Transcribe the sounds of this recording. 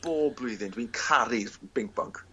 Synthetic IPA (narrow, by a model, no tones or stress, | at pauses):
b̥oːblʊɨðɪndwinkʰaɾɪvb̥ɪŋk̚b̥ɔ̰ŋkʰ